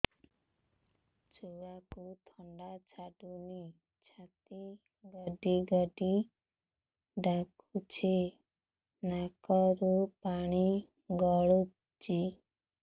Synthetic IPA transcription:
t͡ʃuakut̪ʰɔɳɖat͡ʃʰaɖuni | t͡ʃʰat̪i | ɡəɖiɡəɖi | ɖakut͡ʃʰe | nakɔɾupaɽ̃i | ɡɔɭu | t͡ʃi

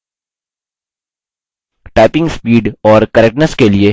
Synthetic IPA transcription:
ʈaːɪpɪ̃ŋɡspiːɖɔːɾkɐɾɛkʈnəɾskelie

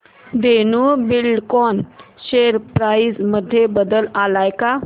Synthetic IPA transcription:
d̪enuːbilɖkɔn | ɕeɾpɾaid͡zməd̪ʱːjebəd̪əlalajka

